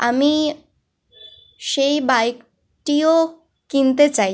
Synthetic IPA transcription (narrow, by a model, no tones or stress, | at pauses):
ami | ʃejbajk | ʈio | kint̪et͡ɕaj